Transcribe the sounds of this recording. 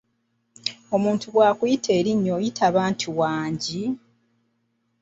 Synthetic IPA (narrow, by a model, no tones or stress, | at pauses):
o̞muːntuɡwaːkujitʰe̞ːɾiɲːo̞jitʰaːβaːntʰuwaːɲɟi